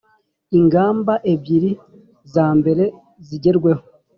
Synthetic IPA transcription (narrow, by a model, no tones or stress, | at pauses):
iŋɡaːmbaʔe̞bjiɾi | zaːmbe̞ɾe̞ | ziɟe̞ɾɡwe̞ho